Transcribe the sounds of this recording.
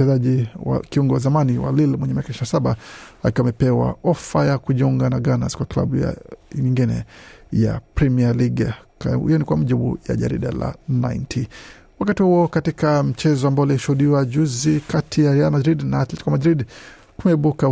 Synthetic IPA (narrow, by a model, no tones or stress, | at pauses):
ɛzaʄiwa̰kiuŋɡɔwazamaniwa̰lilmwɛɲɛmiakaiʃinasaɓaakamɛpɛwa̰ɔfajakuʄiuŋɡanaɡanaskwakla̰ɓuja̰ɲiŋɡinɛ̰ja̰pɾɛmialiɡhḭjɔnikwamaʄiɓṵja̰ʄa̰ɾḭɗa̰la̰na̰jntʰi | wakatihuɔkatikam̩t͡ʃɛzɔambaɔaliʃuhuɗiwaʄuzikatʰijaɾɛalmadɾidnaːt̪lɛti̥kwamadɾid | kumɛiɓuka